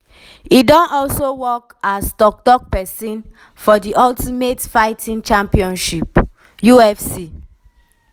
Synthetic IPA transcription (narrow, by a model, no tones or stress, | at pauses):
idɔ̃nɔlsowɔkastɔk̚tɔk̚pɛsĩn | fɔdiʔɔltimetfaɪtʰĩnt͡ʃãmpiɔ̃nʃip | juɛfsi